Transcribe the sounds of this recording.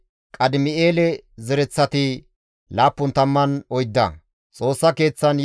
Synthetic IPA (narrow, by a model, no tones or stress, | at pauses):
kʼɐd̪ɪmɪeːlɛzɛɾɛt͡sːɐt̪ɪ | laːpːʊnt̪ɐmːɐnɔjd̪ːɐ̰ | t͡sʼo̞ːsːɐke̞ːt͡sːɐnj